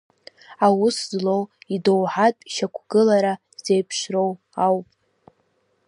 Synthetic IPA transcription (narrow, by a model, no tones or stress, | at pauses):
awʊszlowidowħatʼʃakʷʰɡɨlaɾa | z̥ejpʰʃro̞w | awpʼ